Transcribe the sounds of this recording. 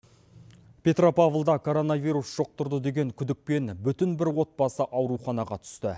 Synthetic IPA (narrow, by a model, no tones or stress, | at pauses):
pʰʲe̞t̪ropavəlˠd̪ɑkʰo̞ɾo̞nɑvʲijɾusʒ̥oq̚t̪ʊɾd̪əd̪e̞ɡʲe̞ŋkʲʰʏd̪ɪk̚pe̞nbʏt̪ɪnbɪɾwo̞t̪̚bɑsəʔɑwɾuχɑnɑʁɑt̪ʰʏ̥st̪ɪ